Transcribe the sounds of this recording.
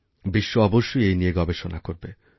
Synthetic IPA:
biʃːoɔboʃːojejnijeɡɔbeʃonakoɾbe

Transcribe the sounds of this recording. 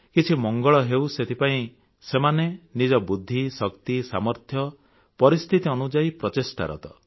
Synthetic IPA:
kit͡ʃʰimɔŋɡɔɭɔɦewset̪ʰipaĩ | semanenid͡ʒɔbud̪ʱːisɔkt̪isa̰mɔɾt̪ʰjɔ | pɔɾist̪ʰit̪iɔnud͡ʒaipɾɔtesʈa̰ɾɔ̰t̪ɔ

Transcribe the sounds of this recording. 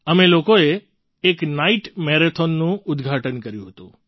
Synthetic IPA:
əmelokoeː | knaiʈmɛɾet̪ʰonːũʊd̪ɡʱaʈənkəɾjũɦət̪ṵ̃

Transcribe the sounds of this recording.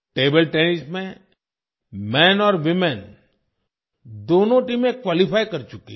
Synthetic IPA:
ʈeːbəlʈɛːnɪsmẽ | mɛ̃ːnɔːɾʋɪmɛn | d̪oːnõʈiːmẽkwaːlipʰaːikɐɾt͡ʃʊkḭ

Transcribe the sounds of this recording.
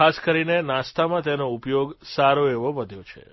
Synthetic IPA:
askəɾinenast̪amãt̪enoupjoɡsaɾoeʋoʋəd̪ʱjot͡ʃʰḛ

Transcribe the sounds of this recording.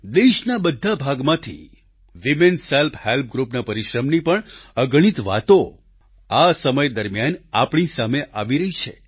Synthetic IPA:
d̪eʃnabəd̪ʱːabʱaɡmãt̪ʰḭ | ʋimenselpʰhelp̚ɡɾupnapəɾiʃɾəmnipəɳəɡɽ̃it̪ʋa̰t̪o | asəməjd̪əɾmjanapɳ̃isameʔaʋiɾəɦit͡ʃʰe

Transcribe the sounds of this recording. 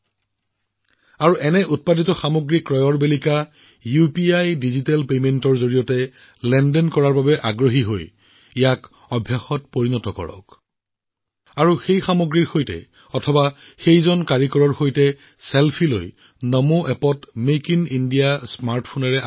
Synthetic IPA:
aɹuʔɛnɛʔut̚paditɔxamoɡɹikɹɔjɔɹbelika | jupiajdizitɛlpementɔɹzoɹijɔtɛ | lɛndɛnkɔɹaɹbabɛʔaɡɹoɦiɦoj | ijak | ɔbʱjaxɔt̚poɹinɔtɔkɔ̰ɹɔ̰k | aɹuxejxamoɡɹiɹxojtɛ̰ | ɔtʰɔba | xejzɔnkaɹikɔɹɔɹxojtɛ | selpʰiloj | nɔmuʔɛpɔtmekinindiasmaɹtpʰonɛɹɛ

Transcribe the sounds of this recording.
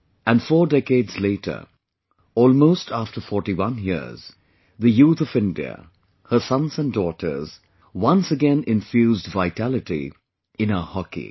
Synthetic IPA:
æ̃nfɔːɹdɛkeɪdz̥leɪtʰə̰˞ | ɔːlˠmoʊstʰæftə˞fɔɹʈiwʌ̃njɪ̰z̥ | ðɨjuːt̪ʌvɪ̃ndḭə̰ | hə˞sʌ̃nzə̃ndɔːtʰə̰˞z̥ | wʌ̃nsəɡɛ̃nɪ̃nfjuːzdvaɪtʰælɨtḭ | ɪ̃nəhɑkḭ

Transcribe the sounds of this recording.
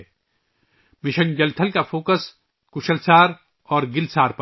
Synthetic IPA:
mɪʃə̃nd͡ʒɐlt̪ʰəlkafoːkəs | kʊʃəlsaːɾ | ɔːɾɡɪlsaːɾp

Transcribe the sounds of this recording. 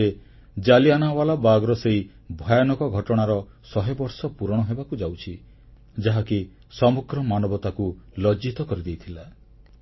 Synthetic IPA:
e | d͡ʒalianawalabaɡɔɾɔsei | bʱɔjɔnɔkɔɡʱɔʈɔɽ̃aɾɔ | sɔɦebɔɾsɔpuɾɔɽ̃ɔɦebakud͡ʒawt͡ʃʰi | d͡ʒaɦaki | sɔmuɡɾɔmanɔbɔt̪akulɔd͡ʒit̪ɔkɔɾid̪ejt̪ʰila

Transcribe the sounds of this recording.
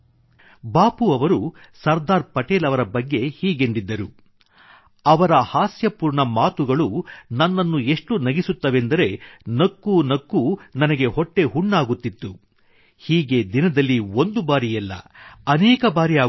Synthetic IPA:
baːpuɐʋɐɾu | sɐɾd̪aːɾpɐʈeːlɐʋɐɾɐbɐɡːe̞hiːɡe̞ɳɖid̪ːɐɾu | ɐʋɐɾɐhaːsjɐpuːɾɳɐmaːt̪uɡɐɭunɐnːɐnːue̞ʂʈunɐɡisut̪ːɐʋe̞nd̪ɐɾe̞nɐkːunɐkːunɐnɐɡe̞ɦoʈːe̞ɦuɳːaːɡut̪ːit̪ːu | hiːɡe̞d̪inɐd̪ɐlːio̞nd̪ubaːɾijɛlːɐ̰ɐnɛːkɐbaːɾiaː

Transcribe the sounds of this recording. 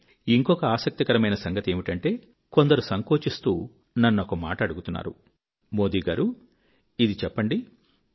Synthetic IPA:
iŋkɔkɐaːsɐk̚t̪ikɐɾɐmɐjnɐsɐŋɡɐt̪ie̞ːmiʈɐɳʈe̞ː | ko̞nd̪ɐɾusɐŋko̞ːt͡ʃist̪ṵː | nɐnːuokɐma̰ːʈɐɐɽuɡut̪unːa̰ːɾṵ | mo̞ːd̪iːɡaːɾu | id̪it͡ʃɛpːɐɳɖi

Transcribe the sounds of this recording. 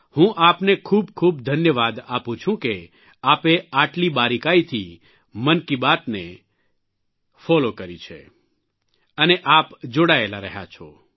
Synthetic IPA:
hũʔapnekʰuːbkʰuːbd̪ʱənjəʋad̪apũt͡ʃʰũke | apeaʈlibaɾikait̪ʰi | mənkibat̪ne | fɔlokəɾit͡ʃʰḛ | əneʔapd͡ʒoɽaelaɾəɦja̰t͡ʃʰo̰

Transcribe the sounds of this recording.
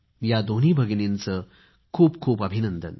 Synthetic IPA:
jad̪oniːbʱəɡnint͡sə | kʰuːpkʰuːpəbʱinənd̪ə̰n

